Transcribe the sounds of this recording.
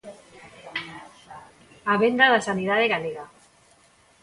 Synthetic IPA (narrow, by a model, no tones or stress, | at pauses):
aβend̪aðasaniðaðeɣaleɣa